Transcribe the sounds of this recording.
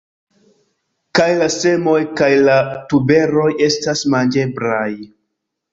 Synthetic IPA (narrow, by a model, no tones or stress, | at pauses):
kajlase̞mo̞jkajlatube̞ɾo̞je̞stasmand͡ʒe̞bɾaj